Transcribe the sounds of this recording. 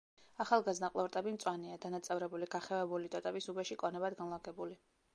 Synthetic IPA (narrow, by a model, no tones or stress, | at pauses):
aχalˠɡazd̪aqʼlˠɔɾt̪ʼɛbimt̪sʼwaniad̪anat̪sʼɛvɾɛbuliɡaχɛvɛbulit̪ʼɔt̪ʼɛbisubɛʃikʼɔnɛbad̪ɡanlˠaɡɛbuli